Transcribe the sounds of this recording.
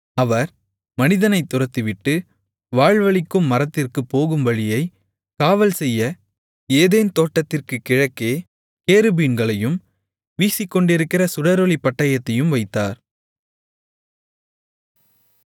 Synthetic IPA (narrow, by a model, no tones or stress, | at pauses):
ɐʋɐɾ | mɐnɪðɐnɐɪt̪ːʊrɐt̪ːiʋɪʈːɯ | ʋaːɻʋɐɭɪkːɯmːɐɾɐt̪ːɪrkɯpːoːɣɯmʋɐɻɪjɐɪ | kaːʋɐlsɛjːɐ | eːðeːnt̪oːʈːɐt̪ːɪrkɯkɪɻɐkːeː | keːɾɯbiːnɡɐɭɐjɯm | ʋiːsɪkːɔɳɖɪɾɯkːɪrɐsʊɽɐɾɔɭipːɐʈːɐjɐt̪ːɐjɯmʋɐɪt̪ːaːɾ